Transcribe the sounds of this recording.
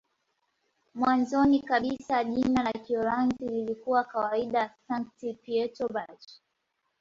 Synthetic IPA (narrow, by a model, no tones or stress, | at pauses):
mwanzɔnikaɓisaʄinalakiɔɾanzililikuwakawaiɗasaŋk̚tipiɛtɔbat͡ʃ